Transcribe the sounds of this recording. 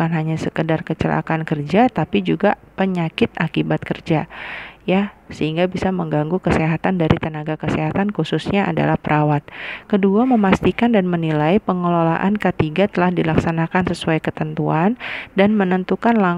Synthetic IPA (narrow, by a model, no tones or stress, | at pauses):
anɦaɲasəkədarkət͡ʃəlʔa̰kankərd͡ʒat̪apid͡ʒuɡapəɲakɪt̪̚ʔakibat̪̚kərd͡ʒajasəhiŋɡabisaməŋɡaŋɡukəseɦat̪andaɾit̪ənaɡakəseɦat̪ankususɲaʔa̰da̰lahpəɾʔawat̪̚kəduaməmast̪ikandanmənilajpəŋəlola̰ʔankət̪iɡat̪əlahdilaksanakansəsuajkət̪ənt̪uandanmənənt̪ukanla